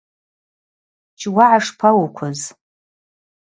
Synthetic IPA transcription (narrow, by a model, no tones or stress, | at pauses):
t͡ʃʰwaʕaʂpʰawukʷʰʊz